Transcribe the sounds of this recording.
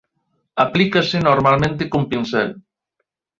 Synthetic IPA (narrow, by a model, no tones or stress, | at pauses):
aplikasenoɾmalmẽnt̪ekompinsɛ̰l